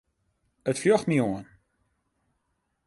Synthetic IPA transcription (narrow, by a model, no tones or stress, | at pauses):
ətfjɔxmiuən